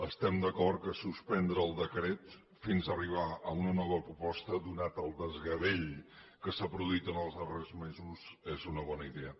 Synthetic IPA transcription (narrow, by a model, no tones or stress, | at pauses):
əst̪ɛmd̪əkɔrtkəsuspɛnd̪ɾəːlˠd̪əkɾɛt̪ | finzəriβ̞aəunənɔβəpɾupɔst̪əd̪unat̪əlˠd̪əzɣəβeʎkəsapɾuðuit̪ənəlˠzðərezmezuzezunəβɔnəiðeə